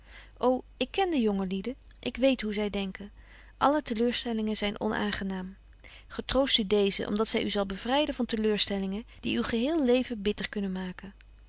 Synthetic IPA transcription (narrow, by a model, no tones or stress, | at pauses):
ʔow | ɪkːɛndəjɔŋəlidə | ʔɪkʋejtɦuzɛjdɛŋkən | ʔɑlətəløːɹstɛlɪŋənzɛjnʔɔ̰nʔa̰ːŋχənaːm | χətrowstydejzə̰ʔɔ̰mdɑtsɛjyzɑlˠbəv̥rɛjdənv̥ɑntəløːɹstɛlɪŋəd̥iywχəɦɪːlˠlejvəbɪtəɹkɵnənmaːkən